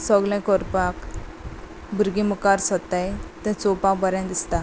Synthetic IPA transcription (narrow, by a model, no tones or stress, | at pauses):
səɡlɛ̃kɔɾpak | bʱuɾɡimukaɾsət̪ajt̪ɛ̃t͡sopãkbəɾjãnd̪ist̪a